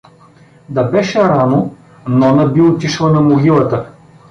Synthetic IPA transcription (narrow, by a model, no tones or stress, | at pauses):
d̪ɐbɛʃɛɾano | nɔnɐbiot̪ʲiʃlˠɐnɐmoɡʲilˠɐt̪ə